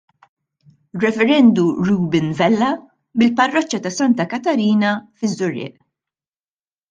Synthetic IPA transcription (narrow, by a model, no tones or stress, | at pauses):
rːɛfɛɾɛnd̪uɾuːbɪnvɛlːɐ | bɪlpɐrːɔt͡ʃːɐt̪ɐsɐnt̪ɐkɐt̪ɐɾiːnɐfɪzːʊɾɪ̰ːʔ